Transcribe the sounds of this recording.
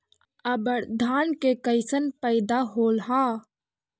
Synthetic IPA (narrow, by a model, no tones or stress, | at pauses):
əbəɽd̪ʱaːnkekəɪsənpəɪd̪aɦoːlɦa